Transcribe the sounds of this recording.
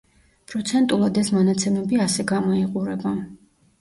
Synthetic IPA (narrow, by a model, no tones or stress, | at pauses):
pʼɾɔt̪sʰɛnt̪ʼulˠad̪ɛsmɔnat̪sʰɛmɛbiasɛɡamɔiqʼuɾɛba